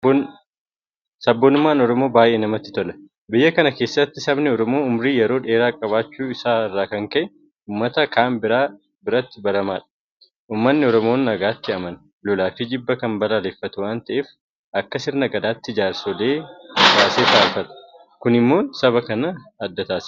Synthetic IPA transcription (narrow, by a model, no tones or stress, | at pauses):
sɐbːonʊmːaːnɔɾɔmo̞ːbaːjʔe̞ːnɐmɐt̪ːɪ̥t̪ɔlɐ̥ | bɪjːɐkɐnɐke̞ːsːɐt̪ːɪsɐbnɛɔɾɔmo̞ːʊmɾiːjɛɾo̞ːᶑe̞ːɾaːkʼɐβaːt͡ʃːuːɪsaːɪrːaːkɐŋkɐʔɛ | uːmːɐt̪ɐkʰaːmbɪɾ | bɪɾɐt̪ːɪbɐɾɐmaːᶑɐ̥ | ʔuːmːɐnːɪɔɾɔmoːnːɐɡaːt̪ːɪɐmɐn | lɔlaːfiːd͡ʒɪbːɐkɐmbɐlaːlefːɐt̪ʊwaːnt̪ɐʔeːf | ʔɐkːɐsɪɾnɐɡɐd̪aːt̪ːɪɪd͡ʒaːɾsɔleːbaːseːt̪aːfɐᶑ̪ɐ̥ | kʊnɪmːo̞ːnsɐbɐkɐnɐɐd̪ːɐt̪aːs